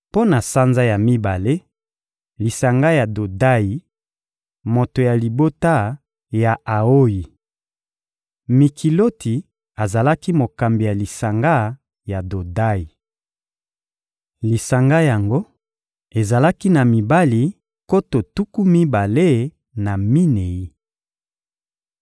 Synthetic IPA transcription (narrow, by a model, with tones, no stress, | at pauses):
po˦na˨sa˦nza˦ja˨mi˦ba˨le˦ | li˨sa˨ŋɡa˦ja˨do˨da˦ji˨ | mo˨to˨ja˨li˨bo˦ta˦ | ja˨a˨o˦ji˨ | mi˨kʰi˨lo˦tʰi˨ | a˨za˨la˦ki˦mo˨ka˨mbi˨ja˨li˨sa˨ŋɡa˦ | ja˨do˨da˦i˨ | li˨sa˨ŋɡa˦ja˨ŋɡo˦ | e˨za˨la˦ki˦na˨mi˨ba˦li˨ | ko˦to˨tu˦ku˦mi˦ba˨le˦ | na˨mi˦ne˨ji˦